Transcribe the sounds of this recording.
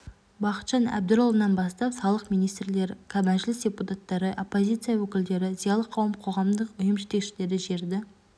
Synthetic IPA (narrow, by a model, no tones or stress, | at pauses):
bɑqə̥t̪ʒɑnæ̰b̚d̪ɪɾolˠənɑnbɑst̪ɑpsɑlˠəqmijnijst̪ɾle̞ɾkʰabænʒɪlɪsdʲeput̪ɑt̪ːɑɾəʔopːo̞zʲit̪sɨjawɵkʲɪld̪e̞ɾɪzijɑlˠəqʰːɑwəmqʰo̞ʁɑmd̪əqʏjɪmʒɪt̪e̞kʃɪle̞ɾɪʒe̞ɾd̪ɪ